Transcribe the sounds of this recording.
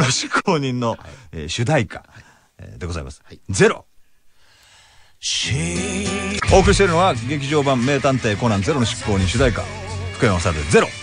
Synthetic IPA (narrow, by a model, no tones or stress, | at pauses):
noɕi̥kʰːoːɲ̟ĩnːo̞eɕɨd̪aika̰ | d̪e̞ɡo̞za̰ḭma̰sɨ̥d͡ze̞ɾo̞̰ | ɕ | o̞ːkɯɾʲiɕ̬t̪eɾɯno̞βaɡe̞k̬ʲiʑo̞ːbãmːe̞ːt̪ãnt̪e̞ːko̞nãnd͡ze̞ɾo̞noɕi̥kːo̞ːɲ̟ĩɰ̃ɕɨd̪aika̰ɸɯ̟̥kɯ̟ẽosaɾet̪d͡ze̞ɾo̞